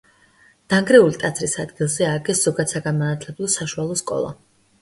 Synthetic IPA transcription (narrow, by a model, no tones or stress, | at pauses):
d̪̥aŋɡɾɛulit̪ʼat̪sʰɾisad̪ɡilˠzɛaɾɡɛsz̥ɔɡad̪̥saɡanmanat̪ʰlɛblˠɔsaʃualˠɔskʼɔ̰lˠa̰